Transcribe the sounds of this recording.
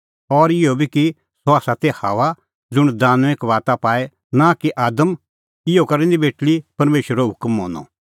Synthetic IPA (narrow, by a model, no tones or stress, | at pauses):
ɔːɾɪjobʱiki | soaːsat̪ehaːʋa | d͡zʊɽ̃d̪aːnekʋaːt̪apaːɛ | nakiʔaːd̪əm | ɪjokɐɾɛ̃nd̪ibeːʈlipɐɾmeːʃʋəɾoɦʊkmɦo̰ːnɔ̰